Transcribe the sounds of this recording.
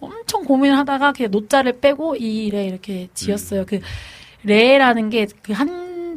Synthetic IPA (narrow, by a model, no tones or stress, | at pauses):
ʌmt͡ɕʰʌŋkominɯɭɦadaɡakɯenot͡ɕ͈aɾɯɭp͈e̞ɡoiːɾe̞iɾʌkʰe̞t͡ɕiʌs͈ʌjokɯ | ɾe̞ɾanɯnɡe̞kɯɦan